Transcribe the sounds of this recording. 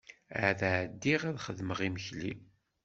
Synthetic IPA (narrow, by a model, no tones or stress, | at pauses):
ʕðʕəd̪ːiʁæðχəðməʁiməçli